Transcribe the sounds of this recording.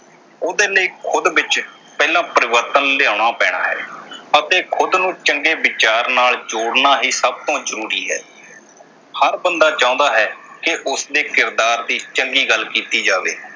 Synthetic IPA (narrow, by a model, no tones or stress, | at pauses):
ʊd̪eːləiːkʰʊd̪bɪt͡ʃ | pɛːlãːpəɾɪʋəɾt̪ənlɪaːɽaːpɛːɽ̃a̰ːɦɛ̰ːət̪eːkʰʊd̪nũːt͡ʃəŋɡeːbɪt͡ʃaːɾnaːld͡ʒoːɽnaːɦiːsəb̚t̪õːzəɾuːɾiːɦɛ̰ː | həɾbənd̪aːt͡ʃãːʊ̃ːnd̪aːɦɛːkɪʔʊsd̪eːkɪɾd̪aːɾd̪iːt͡ʃəŋɡiːɡəlːkiːt̪iːd͡ʒaːʋḛː